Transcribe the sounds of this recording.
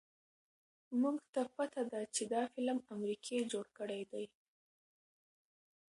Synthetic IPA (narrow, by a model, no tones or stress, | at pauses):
muɡt̪apat̪ad̪at͡ʃed̪ɑfɪlmamɾikʰed͡ʒoɽkəɽajd̪aj